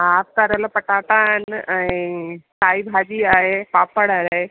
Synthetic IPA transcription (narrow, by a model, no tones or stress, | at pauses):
aːp̚kaɾəlopəʈaːʈaɦɪnɛ̃ĩsaːibʱaːd͡ʒiaːɦepaːpəɽaːlɦe